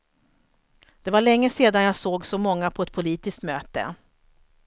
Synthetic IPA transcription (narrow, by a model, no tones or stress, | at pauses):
d̪̥ɛvaɭɛŋːəseːd̪anjasoːɡsɔmɔŋːapʰɔɛt̪̚pʰʊliːt̪ɪskt̪møːt̪ə̰